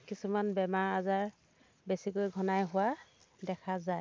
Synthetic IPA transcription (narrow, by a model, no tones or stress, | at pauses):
kisumanbɛmaɹazaɹ | besikojɡʱɔnajɦʊwa | dɛkʰazaj